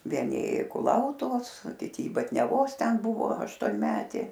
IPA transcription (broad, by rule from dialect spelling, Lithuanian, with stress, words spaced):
ʋʲiɛˈnʲɪ ˈeːjʊ ɪ kʊˈlˠɐʊtʊʋoːs oː kʲɪˈtʲɪ ɪ bɐtʲnʲɛˈʋoːs ˈtʲɛn ˈbʊʋoː ɐʃtoːnʲˈmʲæːtʲeː